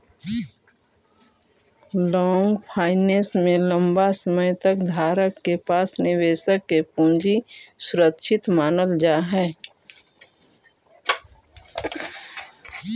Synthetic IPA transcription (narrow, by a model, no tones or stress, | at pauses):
lɔːŋɡpʰaːɪneːsmẽlə̃mbasəməjt̪əkd̪ʱaːɾəkːepaːsnɪweːʃəkːepũːnd͡ʒisʊɾəkʃʰɪt̪maːnəld͡ʒaːɦɛː